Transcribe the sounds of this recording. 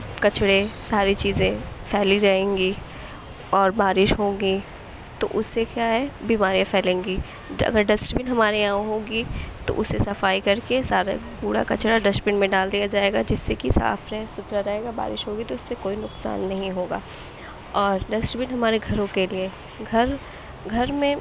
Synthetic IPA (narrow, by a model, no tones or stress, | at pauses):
kɐt͡ʃɽesaːɾit͡ʃiːzẽfʰɛːliɾɐɦẽːŋɡi | ɔːɾbaːɾɪʃɦõːɡi | t̪o̰ʔʊsːekjaːɦɛbiːmaːɾijãpʰɛːlẽːŋɡi | ɐ̰ɡəɾɖɐsʈɾbɪnɦɐmaːɾiaːõɦõːɡit̪o̰ʔʊsːesɐfaːikɐɾkesaːɾa̰puːɽa̰kɐ̰t͡ʃɽaɖɐsʈpɪ̃ɳmẽɖaːld̪ijad͡ʒaːeːɡad͡ʒɪsːekisa̰ːfɾɐɦsʊt̪ɾaɾɐɦeːɡaba̰ːɾɪ̰ʃɦoːɡit̪oʊsːekoːinʊqsa̰ːnːɐɦĩɦoːɡa̰ː | ɔːɾɖɐsʈɾɪbɪnɦɐmaːɾeɡʱɐɾõkelie | ɡʱɐɾ | ɡʱɐɾmẽ